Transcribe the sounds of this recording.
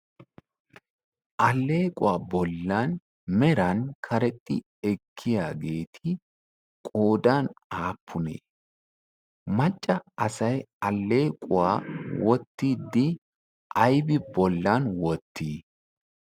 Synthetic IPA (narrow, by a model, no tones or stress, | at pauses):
ʔɐlːe̞ːkʼʊwaːbɔlːan | mɛɾɐnkʰɐɾɛt̪ʼːɪ̰ | ɛkʰːɪjaːɡe̞ːt̪ʰɪ | kʼoːd̪aːnaːpʰːʊnḛː | mɐt͡ʃʼːɐɐsɐjɐlːe̞ːkʼʊwaːwʔɔt̪ːiːd̪ːɪ | ʔɐjbɪbɔlːanwɔt̪ːiː